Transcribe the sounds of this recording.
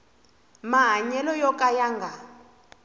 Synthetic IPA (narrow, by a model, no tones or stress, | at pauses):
maɦaɲɛlɔjɔkʼajaŋɡa